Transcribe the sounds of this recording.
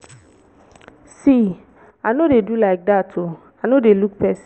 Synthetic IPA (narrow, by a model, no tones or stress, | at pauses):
si | anodedulaɪk̚datʰo | anodelukpʰɛs